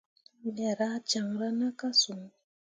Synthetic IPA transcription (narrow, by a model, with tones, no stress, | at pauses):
ɗɛ˨ɾa˦t͡ʃa˨mɾa˦na˦ka˦su˨ŋ